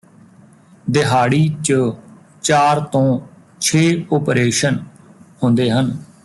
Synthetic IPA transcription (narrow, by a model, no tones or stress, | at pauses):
d̪ɪɦaːɽiːt͡ʃə | t͡ʃaːɾt̪õː | t͡ʃʰeːoːpɾeːʃən | ɦʊ̃nd̪eːɦən